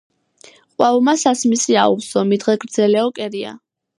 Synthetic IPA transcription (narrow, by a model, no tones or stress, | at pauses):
qʼwavɔmasasmisiaṵpsɔmid̪ʁɛɡɾd̪zɛlɛɔkʼɛɾia̰